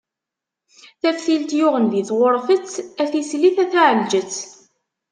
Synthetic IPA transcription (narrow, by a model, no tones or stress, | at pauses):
θæfθilt̪jʊʁənðiθwʊɾˤfət͡sːæθisliθæθaʕəld͡ʒət͡sː